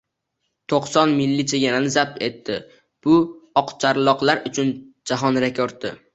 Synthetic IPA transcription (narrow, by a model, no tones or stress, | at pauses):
t̪ʰoqsɒnmɪlːɪt͡ʃʰeɡʲananɪzap̚t̪e̞t̪ːɪ | b̥ʊɒqt͡ʃʰaɾlˠɒqlˠaɾʊt͡ʃʰʊnd͡ʒaɦɒnɾekʲʰoɾt̪̚ːɪ̰